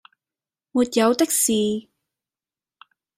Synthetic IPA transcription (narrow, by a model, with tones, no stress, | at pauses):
muː˨˩t̚jɐ˨˧wt̪ɪ˥k̚siː˨